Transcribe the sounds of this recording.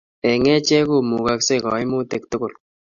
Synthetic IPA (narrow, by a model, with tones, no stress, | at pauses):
ɛ˨ŋɛ˦t͡ʃɛ˦ku˦˨mu˨ka˦kse˦˨kɔ̰˨i˦mu˦te˨k̚tʊ˦kʊ˨l